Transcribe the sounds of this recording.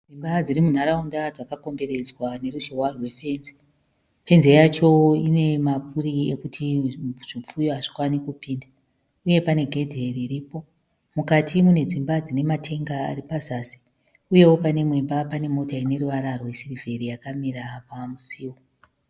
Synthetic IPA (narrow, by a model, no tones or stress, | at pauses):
d͡zimbad͡zirimun̤aɾaundad͡zakako̞mbe̞ɾe̞d͡zwane̞ɾuʒowarwe̞fe̞nze̥ | fe̞nze̞jat͡ʃo̞ine̞map̚uriekutʰiʐ̥ip͡fujoaʐi̥kwanikupiːnda | uje̞pane̞ɡʱe̞dʱeririːpo̞ | mukatimune̞d͡zimbad͡zine̞matʰe̞ŋɡa̰ːɾipazasi̥ | uje̞wo̞pane̞mwe̞mbapane̞mo̞taine̞ɾuʋaɾarwe̞sirive̞ɾijakamiɾapamusiːwo